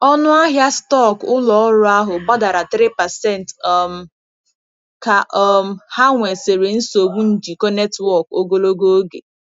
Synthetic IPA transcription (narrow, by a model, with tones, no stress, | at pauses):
ɔ˦nʊ˦a˦ɦja˦stɔ˦˨kʊ˦lɔ˨ɔ˦ɾʊ˦a˦ɦʊ˨ba˦da˨ɾa˨t̪ɾi˦pɛ˨sɛ˦n˨tɔ˦˨m̩˨ | ka˨ʔɔ˦˨m̩˦˨ha˦ŋʷe˨se˨ɾe˨n̩˦so˨ɡ͡bu˦n̩˨d͡ʒi˨kɔ˦ne˦twɔ˦˨ko˦ɡo˦lo˦ɡo˦o˦ɡḛ˨